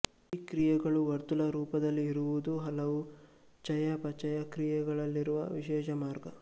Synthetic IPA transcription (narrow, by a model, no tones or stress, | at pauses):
iːkɾijɛɡɐɭuʋɐɾt̪ulɐɾuːpɐd̪ɐlːiːɾuʋud̪uɦɐlɐʋu | t͡ʃɐjɐpɐt͡ʃɐjɐkɾijɛɡɐɭɐlːiɾuʋɐ̰ʋiʃɛːʃɐmaːɾɡɐ